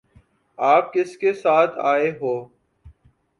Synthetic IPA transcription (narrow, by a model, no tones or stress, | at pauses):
aːp̚kɪskesaːt̪ʰaːeɦoː